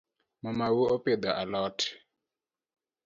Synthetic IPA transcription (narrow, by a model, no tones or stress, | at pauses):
mamawuɔped̪aʔalɔːtʰɛ̥